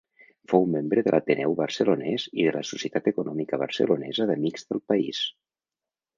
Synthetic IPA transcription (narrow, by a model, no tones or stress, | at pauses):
fowmembɾəðəlʔat̪ənʔɛwβəɾsəlunɛziðələsusiət̪at̪əkunɔmikəβ̞ə̰ɾsə̰lunɛzəðəmiɡzðəlˠpəḭs